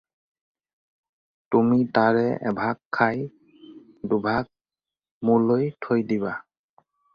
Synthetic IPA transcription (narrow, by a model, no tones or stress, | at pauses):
tumit̪aɹɛʔɛ̰bʱakʰːaj | dubʱak̚ | mulojtʰojdiba